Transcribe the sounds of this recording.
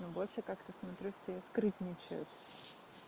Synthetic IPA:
nubolʲʂəkakt̪əsmɐt̪ɾʲusʲt̪ʲeskɾɨt̪ʲnʲɪt͡ɕʊ̰jʊ̰t̪

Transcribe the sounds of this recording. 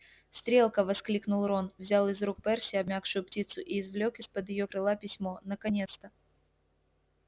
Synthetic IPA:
st̪ɾʲe̞lˠkəvɐsklʲiknʊlˠɾonvzʲalˠɨzɾuk̚pɛrsʲɪɐbmʲakʂʊjʊptʲit̪sʊʔiːzvlʲokɪspəd̪jɪjo̞kɾɨlˠapʲɪsʲmonəkɐnʲe̞t̪st̪ə

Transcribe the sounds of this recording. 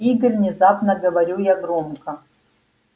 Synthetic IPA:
iɡɨrvnʲɪzapnɐɡɐvɐɾʲujaɡromkʰɐ

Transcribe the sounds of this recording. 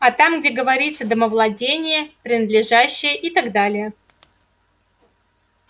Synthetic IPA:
ɐt̪amɡdʲeɡəvɐɾʲit̪sːəd̪əməvlˠɐdʲenʲɪjəpɾʲɪnəd̪lʲɪʐæɕːɪjəʔit̪aɡd̪alʲɪjə

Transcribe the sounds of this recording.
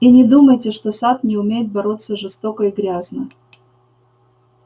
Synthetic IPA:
inʲɪd̪uməjtʲɪʂt̪o̞sat̪̚nʲɪʊmʲejɪt̪̚bɐɾo̞t̪sːəʐɨst̪o̞kəiɡɾʲaznə

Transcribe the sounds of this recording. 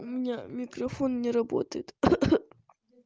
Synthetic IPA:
ʊmʲɪnʲamʲɪkrɐfonnʲɪɾɐbo̰t̪əjɪt̪

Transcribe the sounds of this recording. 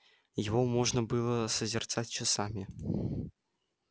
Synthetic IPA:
jɪvomoʐnəbɨlˠəsəzʲɪrt̪sat̚ʲt͡ɕɪsamʲɪ

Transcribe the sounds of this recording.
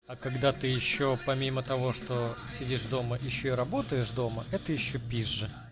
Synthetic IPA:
ɐkɐɡd̪at̪ɨjɪɕːopɐmʲimət̪ɐvo̞ʂt̪osʲɪdʲiʂvd̪o̞məʔjɪɕːoɪɾɐbo̞t̪əjɪʂd̪o̞məɛt̪əjɪɕːopʲiʐːɨ

